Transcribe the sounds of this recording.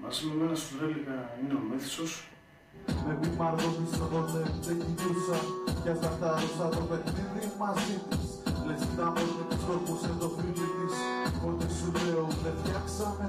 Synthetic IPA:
mɐ̰simemenɐst̪uðeliɣɐineomeθe̥sos | mepimɐɾɣot̪isoðot̪et̪eciɾisɐcɐsɐft̪ɐðosɐðopexniðimɐzit̪islesit̪ɐmeunepisk̪opusend̪o̞filit̪isot̪isuleot̪eft̪çɐksɐme

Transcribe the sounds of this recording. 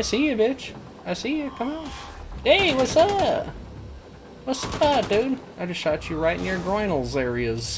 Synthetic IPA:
aɪsijɨbɪt͡ʃ | aɪsijɨkʰʌ̃maʊneɪwʌsə | wʌsʌdʉdaɪd͡ʒʌsʃɑt͡ʃɨɹaɪɾn̩jə˞ɡɹɔ̃ɪ̃nl̩ˠzɛɹiɨz̥

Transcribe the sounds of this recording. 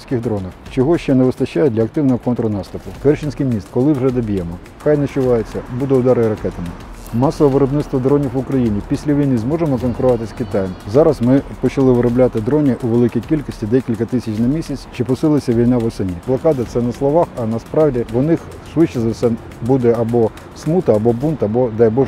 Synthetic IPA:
sʲkʲɪɣd̪ɾɔnɐxt͡ʃɔɦɔʃt͡ʃɛnɛʋɪst̪ɐt͡ʃːajɛdʲlʲɐk̚t̪ɪwnɔɦɔkɔnt̪ɾʊnɑst̪ʊpʊkɛrt͡ʃɪnʲsʲkijmʲnʲist̪̚kɔlˠɪwʒɛd̪ɔbʲijɛmɔ | xɑjnɛt͡ʃʊʋɑjet͡sʲːɐbud̪ɛʊd̪ɑɾɪɾɐkɛt̪ɐmɪ | mɑsɔʋɔʋeɾɔbnɪt̪st̪ʋɔd̪ɾɔnʲiwʊkɾɐjinʲipʲisʲlʲɐʋʲijnizmɔʒemɔkɔnkʊɾʊɔʋɑt̪ɪsʲkʲit̪ɑjɛmzɑɾɐzmɪpɔt͡ʃɐlˠɪʋɪɾɔblʲat̪ɪd̪ɾɔnʲiʔuʋelˠɪkʲijkʲilʲkɔsʲtʲid̪ɛkʲilʲkɐt̪ɪsʲɐt͡ʃnɐmʲisʲɐt͡sʲt͡ʃɪpɔsɪlˠɐsʲɐʋʲijnɑʋɔsɐnʲiblˠɐkɑd̪ɐt̪sɛnɐslˠɔʋɑxɐnɐspɾɑwdʲiʋɔnɪx | sʋɪt͡ʃːɐzɐsɛ | bud̪ɛɐbɔ | smut̪ɐːbɔbunt̪ɐbɔd̪ɑjbɔʒ

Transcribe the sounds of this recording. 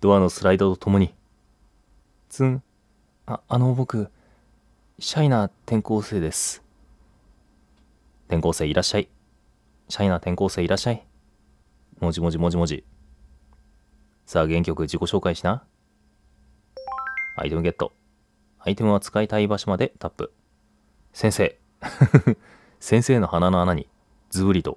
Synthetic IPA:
d̪̥o̞ano̞sɨɾaid̪ot̪o̞̥t̪ʰo̞mo̞ɲ̟i | t͡sɨ̃ | aːno̞bo̞kɯ̟ | ɕainat̪ẽ̞ŋko̞ːse̞ːd̪e̞sɨ̥ | t̪ẽ̞ŋko̞ːse̞ːiɾʔaɕːai | ɕainat̪ẽ̞ŋko̞ːse̞ːiɾʔaɕːai | mo̞ʑimo̞ʑimo̞ʑimo̞d͡ʑḭ | saːɡẽ̞ŋkʲo̞kɯ̟d͡ʑiko̞ɕo̞ːkaiɕina | a̰ḭt̪e̞mɯ̟ɡe̞t̪ːo̞̰ | ait̪e̞mɯ̟βat͡sɨ̥kait̪aibaɕomad̪e̞t̪ʰapːɯ̟̰ | sẽse̞ː | sẽ̞ɰ̃se̞ːno̞hananoanaɲ̟i | d͡zɨbɯ̟ɾʲit̪o̞̰

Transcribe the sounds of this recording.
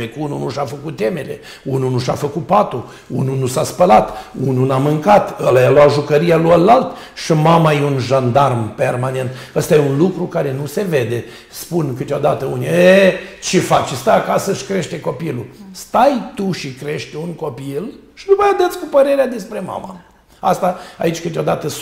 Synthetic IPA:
ekununuʃafəkut̪̚t̪ːe̞mele̞̰ | ununuʃafəkut̪̚pat̪u | ṵnunusaspəlat̪ununamɨŋkat̪əlajaloaʒukəɾijalujalːalt̪ | ʃimamajeunʒand̪armpe̞rmane̞nt̪ | əst̪ajeunlukɾukaɾe̞nuse̞ve̞d̪e̞ | spunkɨt̪eo̞d̪at̪əunʲiet͡ʃefat͡ʃst̪aakasəʃi̥kɾe̞ʃt̪eko̞pilust̪ajt̪uʃikɾe̞ʃt̪ʲunko̞pil | ʃinumajad̪ət̪sʲkupəɾe̞ɾead̪e̞spɾe̞ma̰ma̰ | ast̪aa̰it͡ʃʲkɨt̪ʲeo̞d̪at̪ə

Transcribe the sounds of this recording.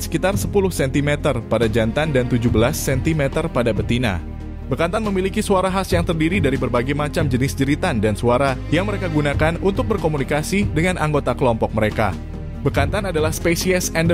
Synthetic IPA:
sə̥kit̪arsəpulʊhsɛnt̪imɛt̪ərpadad͡ʒant̪andant̪ud͡ʒubəlasːɛnt̪imɛt̪ərpadabət̪ina̰ | bərkant̪anməmilikisuaɾaɦasjaŋt̪ərdiɾidaɾibərbaɡajmat͡ʃamd͡ʒənɪsd͡ʒəɾit̪andansuaɾajaŋməɾekaɡunakanunt̪ʊk̚bərkomunikasidəŋanʔaŋɡot̪akəlɔmpɔk̚məɾeka̰ | bərkant̪anadalahspesiɛsɛnd

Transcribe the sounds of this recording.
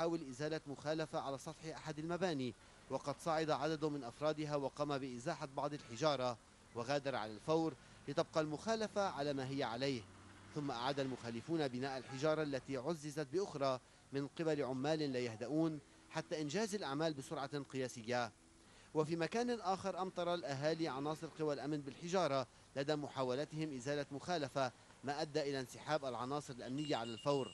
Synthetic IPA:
ħaːwɪlʔɪzaːlamʊxaːlafaʕalaːsˤɑt̪ħɪʔaħad̪almabaːni | wɑqɑd̪sˤɑʕɑd̪aʕad̪ad̪mɪnʔɑfɾˤɑːd̪ɪɦaːwɑqɑːmabɪʔɪzaːħabɑʕd̪ˤalħɪʒɑːɾˤɑ | waɣaːd̪ɑɾˤʕa̰lalfawɾ | lɪt̪ɑb̚qɑlmʊxaːlafaʕalaːmaːɦɪjːaʕalajhθʊmːaʔa̰ʕaːd̪almʊxaːlɪfuːnabɪnaːʔalħɪʒɑːɾˤɑʔlːat̪iʕʊzːɪzat̪̚bɪʔʊxɾˤɑː | mɪnqɨbalʕʊmːaːlɪlaːjahd̪aʔuːn | ħat̪ːaʔɪnʒaːzalʔaʕmaːlbɪsʊɾʕɑqɨjaːsɪjːa | wafiːmakaːnʔaːxɪɾʔɑmt̪ˤɑɾˤɑlʔaɦaːliʕɑnɑːsˤɨɾqɨwalʔamnbɪlħɪʒɑːɾˤɑ | lad̪amʊħaːwalat̪ɪhɪmʔɪzaːlamʊxaːlafa | maːʔad̪ːaʔɪlansɪħaːbʔalʕɑnɑːsˤɨɾɪlʔamnɪjːaʕalalfawɾ

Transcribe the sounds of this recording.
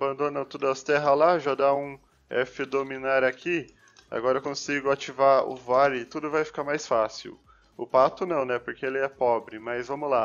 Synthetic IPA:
abɐ̃nd̪õnɐ̃t̪od̪ʊɐst̪ɛɦɐlaʒad̪aũ | ɛfɪd̪ominaɾakʰi | a̰ɡɔɾɐekõsiɡʊat͡ʃivaʊ̰vaɾɪt̪ud̪ʊvajfi̥kaɾmajsfasḭw | ʊpat̪ʊnɐ̃w̃nɛpoɾkeelɪɛpɔbɾɪmɐzvɐ̃mʊla

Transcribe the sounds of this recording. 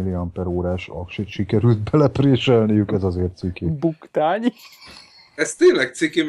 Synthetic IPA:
iliɒmpɛɾoːɾaːʃɒ̰kʃeːt̪ʃikɛɾylt̪̚bɛlɛpreːʃɛlnijykɛzɒzeːrt̪sikibukt̪aːɲ | ɛst̪eːnlɛk̚t̪sikem

